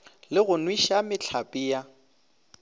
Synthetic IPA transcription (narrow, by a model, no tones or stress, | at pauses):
lɪɣʊnwiʃamɪt͡ɬʰapʼiːja